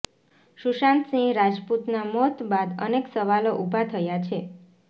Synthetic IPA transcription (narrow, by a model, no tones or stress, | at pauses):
ʃuʃant̪sĩŋɡɾad͡ʒput̪namɔt̪bad̪ə̰neksəʋaloʔubʱat̪ʰəjat͡ʃʰe